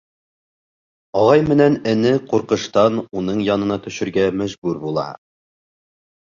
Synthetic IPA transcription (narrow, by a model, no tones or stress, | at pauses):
ɒʁɑjmɘ̆nænɘ̆nɘquɾqɤ̆ʃt̪ɑnunɤɴjɑnɤ̆nɑt̪ɵ̆ʃɘ̆ɾɡæmæʒbʉɾbulˠɑ̰